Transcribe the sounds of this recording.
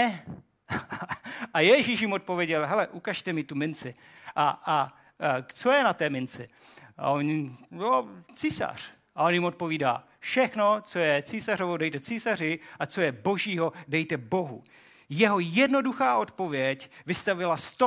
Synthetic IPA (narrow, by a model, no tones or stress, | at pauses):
ʔajɛʒiʃjɪmot̪̚povjɛɟɛlɦɛlɛʔukaʃt̪ɛmɪt̪umɪnt͡sɪ | ʔaa | t͡so̞jɛnat̪ɛːmɪnt͡sɪ | a̰onjot͡siːsa̰r̝̥ | ʔao̞njɪmo̞t̪̚po̞viːda̰ː | fʃɛxno̞t͡so̞jɛt͡siːsar̝ovodɛjt̪ɛt͡siːsar̝ɪʔat͡so̞jɛbo̞ʒiːɦo̞dɛjt̪ɛbo̞ɦṵ | jɛɦo̞jɛdno̞duxaːʔo̞t̪po̞vjɛcvɪst̪avɪlast̪o